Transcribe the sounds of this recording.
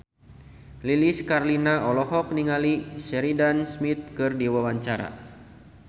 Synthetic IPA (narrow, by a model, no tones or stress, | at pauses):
liliskarlinaɔlɔhɔk̚niŋalisɛɾidansmit̪̚kɨrdiwawaɲt͡ʃaɾa̰